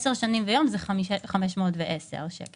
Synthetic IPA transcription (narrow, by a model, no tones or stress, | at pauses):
seʁʃanimvejo̞mzɛχaiχameʃmotveʔesḛʁʃḛk